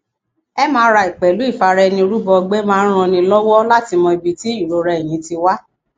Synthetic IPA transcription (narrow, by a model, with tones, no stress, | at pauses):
ɛ˦mãː˦ɾa˧i˨k͡pɛ˨lu˨˦i˦˨fa˨˧ɾɛ˧nĩ˧ɾu˦bɔ˧ɡ͡be˦mãː˦˧˦ɾ̃ã˧nĩ˧lɔ˦wɔ˦la˦ti˧mɔ̃˧i˧bi˨ti˦i˦˨ɾo˨˦ɾɛ˨j̃ĩ˨˦ti˧wa˦